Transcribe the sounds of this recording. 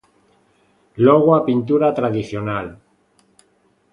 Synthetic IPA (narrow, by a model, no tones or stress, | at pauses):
loɣwapint̪uɾat̪ɾaðiθjonal